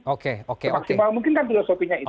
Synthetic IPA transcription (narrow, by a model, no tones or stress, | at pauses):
okeokemaksimalmuŋk̬ɪnkanfilosopiɲai